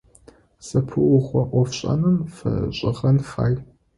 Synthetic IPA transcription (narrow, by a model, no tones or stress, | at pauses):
sɐpʰɨʔʊχʷɔʔʷɔfɕʼɐ̰nɨmfɐ̰ɕʼɪʁɐnfa̰ːj